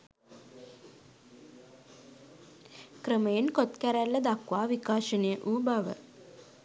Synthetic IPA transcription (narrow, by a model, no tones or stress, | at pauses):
kɾəməjenkot̪kæɾælːəd̪akʋaːʋikaːʃənəjəʔuːbaʋə̰